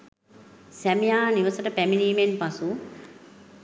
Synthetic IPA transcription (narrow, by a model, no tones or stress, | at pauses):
sæmijaːniʋəsəʈəpæminiːmenpasu